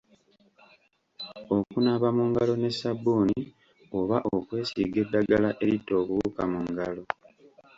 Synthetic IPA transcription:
o̞kunaβamuŋɡalo̞ne̞sabuːni | o̞βaʔo̞kwe̞ːsiːɡe̞dːaɡalaʔe̞ɾitːo̞ːβuβuːkamuŋɡalo̞

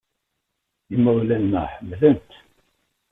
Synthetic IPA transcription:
imːəwlænmæ̰ħəmːlənt̪

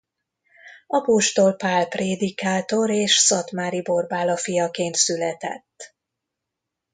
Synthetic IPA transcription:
ɒpoʃt̪o̞lpaːlpreːd̪ikaːt̪o̞ɾeːʃsɒt̪maːɾibo̞rbaːlɒfijɒkeːnt̪sylɛt̪ɛ̰t̪ː

